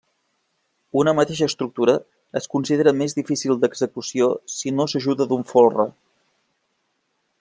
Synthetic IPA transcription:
unəmət̪eʃ̬əːst̪ɾuk̚t̪uɾəː | skunsiðeɾəmezðifisilˠd̪əɡzəkusiosinosəʒuðəðuɱfolˠrə̰

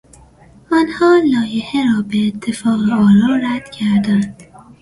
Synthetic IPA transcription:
ɒnhɒːlɒːjeheɾɒːbeːt̪ʰːe̞fɒːɣeɒːɾɒːɾæd̪̥cʰæɾd̪ænd̪̥

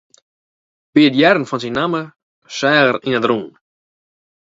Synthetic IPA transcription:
b̥iədjɛɾn̩fɔnsinːamə | sɛːɣərinədrun

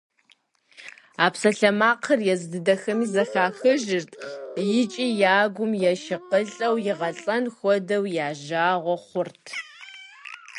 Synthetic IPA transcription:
aːpsɐɬɐmaːqʰɐrjɛzɨdɨdɐxɐmiːzɐxaːxɨʒɪrtʰjɪt͡ʃʼiːjaːɡʷʊmjɛʃɪqəɬʼɐwjɪʁɐɬʼɐnxʷɔdɐwjaːʒaːʁʷɔχʷʊrtʰ

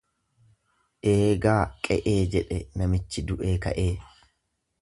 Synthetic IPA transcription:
ʔeːɡaːkʼɛʔeːd͡ʒɛᶑɛnɐmɪt͡ʃːɪd̪ʊʔeːkɐ̰ʔe̞ː

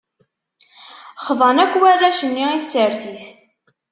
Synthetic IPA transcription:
χðˤɑnækʷːwærːæʃənːiiθsəɾθiθ

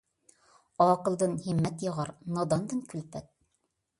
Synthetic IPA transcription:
ɒqɤ̆lˠd̪ɤnhimːæt̪jɑʁɑɾnɑd̪ɑnd̪ɤnkʉlpæt̪̚

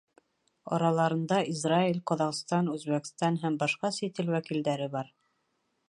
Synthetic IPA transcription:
ɑ̰ɾɑlˠɑɾɤ̆nd̪ɑʔizrailʲqɒðɑʁst̪ɑnʉzβækst̪ɑnɦæmbɑʃqɑsit̪ɘlwækild̪æɾɘbɑɾ

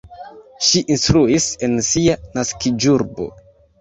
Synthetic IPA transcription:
ʃiʔinstɾuise̞nsianaskid͡ʒuɾbo̰

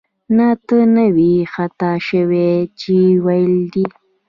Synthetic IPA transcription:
nat̪ənəwixat̪aʃəwet͡ʃiwajld̪i

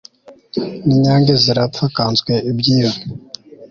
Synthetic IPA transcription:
niɲaːŋɡeziɾatakaːnzɡweʔibɟiːwe

